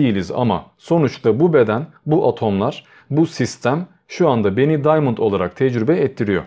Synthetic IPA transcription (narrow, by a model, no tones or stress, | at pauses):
ejilʲiza̰ma̰so̞nut͡ʃt̪ˠabube̞d̪æn | buʔat̪ʰo̞mlˠaɾ̥ | busist̪ʰæm | ʃuand̪abe̞nid̪ajmɯnt̪ʰo̞lˠaɾa̰k̚t̪ʰɛd͡ʒɾybɛɛt̪ʰːiɾijo̞̰